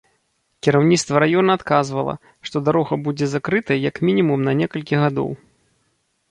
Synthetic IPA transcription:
kʲiɾawnʲit̪st̪vɐɾajɔnɐːt̪kazvɐlˠɐ̰ | ʂt̪ɔd̪aɾɔɣɐbud͡zʲɛzakɾɨt̪ɐjjɐkmʲinʲimumnɐnʲɛkɐlʲkʲiɣad̪ɔ̰w

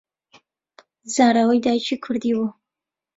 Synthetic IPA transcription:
zaːɾawɐjd̪ajt͡ʃʰikʰʊɾd̪iːwu

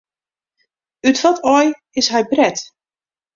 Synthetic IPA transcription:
ytʋɔtʰɔj | ɪsɦɛjbrɛt

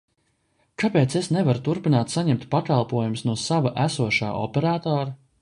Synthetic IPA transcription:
kapeːt̪sesnevaɾut̪uɾpinaːt̪saɲɛmt̪pakalˠpuɔjumsnuɔsavaʔæsuɔʃa̰ːɔ̰pɛɾaːt̪ɔːɾa

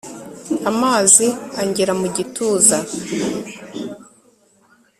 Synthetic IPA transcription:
amaːziaɲɟeɾamuɟitʰuːza

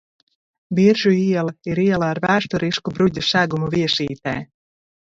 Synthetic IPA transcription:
biɾʒuiɛlˠaiɾiɛlˠaːɾvæːʃt̪ɔɾiʃkubɾuɟ̪ʲusæɡumuvʲiɛʃiːt̪ɛ̰ː

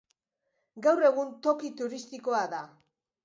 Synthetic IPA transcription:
ɡawre̞ɣ̞unt̪o̞kit̪uɾist̪iko̞aða

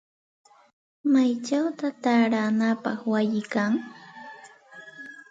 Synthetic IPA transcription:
majt͡ʃawt̪at̪aɾanapɑχwajɪkaŋ

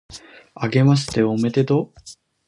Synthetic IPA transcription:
aɡe̞mas̬ɨ̥t̪e̞ome̞t̪e̞d̪o

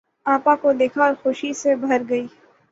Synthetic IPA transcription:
ãːpãkod̪eːkʰaɔːɾxʊʃisebʱɐɾɡɐiː

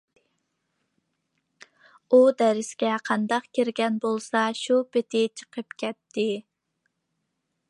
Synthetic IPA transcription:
ud̪ɛɾɪsɡʲɛqʰɑnd̪ɑqkʲiɾɡʲɛnbolˠsɑʃupɪt̪ʰɪt͡ʃʰə̥qʰəpkʲʰɛt̪ʰːɪ

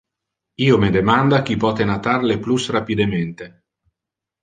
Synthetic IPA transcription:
iːomed̪emand̪ak̟ipɔːt̪enat̪arleplusrapid̪ement̪e

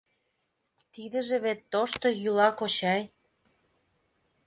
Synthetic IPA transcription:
t̪id̪ə̆ʒĕβet̪ːoʃt̪ojylɑkot͡ɕɑj

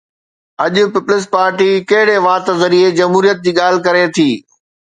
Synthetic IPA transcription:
ɐʄʊ̆pɪplɪs̬paːɾʈikɐɦɪɽeʋaːt̪zɐɾied͡ʑɐmɦuːɾijət̪̚d͡ʑiːɠaːl̤ɪkɐɾet̪ʰiː

